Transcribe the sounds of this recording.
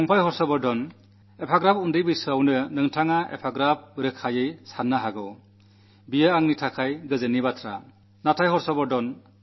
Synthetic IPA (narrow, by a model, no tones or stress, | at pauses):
ɔŋpʰajɦɔɾsɔbɔɾdɔn | epʰaɡɾapundɯjbɯjsawnɯnɯŋtʰaŋaḛpʰaɡɾap̚ːɯɾɯkʰajɯjsanːaɦaɡɯw | bijaaŋnitʰakʰajɡɯzɯnibatʰɾa̰ | natʰajɦɔɾsɔbɔɾdɔn